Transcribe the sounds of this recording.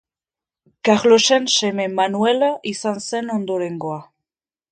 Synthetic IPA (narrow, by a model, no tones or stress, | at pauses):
kaʁlo̞se̞nse̞me̞manuelaʔisanse̞no̞nd̪o̞ɾe̞ŋɡo̞a